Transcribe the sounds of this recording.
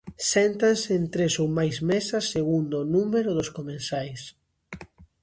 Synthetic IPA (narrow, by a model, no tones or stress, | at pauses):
sɛnt̪anseent̪ɾesowmajzmesɐsːeɣund̪onumeɾʊðʊskomẽnsajs